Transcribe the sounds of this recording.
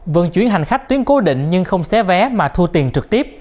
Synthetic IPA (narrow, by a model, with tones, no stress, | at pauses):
və̰˧˩˦nt͡ɕwi˧˩ənɦa˨˩ŋ̟xa˦˥jk̚t̪i˨˦ənko˨˦ɗḭ˧˨ŋ̟ɲɨ˧ŋxə˧wŋ͡msɛ˨˦˥vɛ˨˦maː˨˩t̪ʰu˧t̪i˨˩ənt͡ɕɨ˨˩k̚t̪i˦˥əp̚